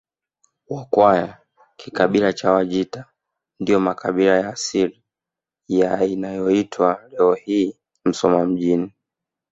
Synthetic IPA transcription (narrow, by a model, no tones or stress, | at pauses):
wakwaja | kʰikaɓilat͡ʃawaʄita | ndijɔmakaɓilajaːsili | jainajɔitʰwalɛɔhiː | m̩sɔmam̩ʄini